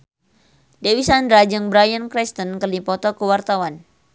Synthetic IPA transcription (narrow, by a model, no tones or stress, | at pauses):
dewisandɾad͡ʒɨŋbɾajənkɾɛst̪ənkərlipɔt̪ɔkəwart̪awan